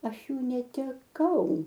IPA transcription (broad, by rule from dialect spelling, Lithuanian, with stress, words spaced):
ˈɐʃ ˈjuː nʲɛtʲɛˈkɐʊ